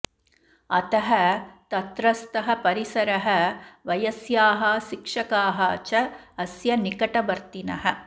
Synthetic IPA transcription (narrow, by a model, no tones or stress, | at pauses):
ɐ̰t̪ɐɦɐt̪ɐt̪ɾɐst̪ɐɦɐpɐɾisɐɾɐɦɐʋɐjɐsjaːɦɐʃikʂɐkaːɦɐt͡ʃɐːsjɐnikɐʈɐʋɐɾt̪inɐɦɐ